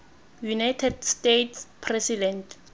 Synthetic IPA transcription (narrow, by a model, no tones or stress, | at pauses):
junajtʰɛdstetʰspʰrɛsidɛnt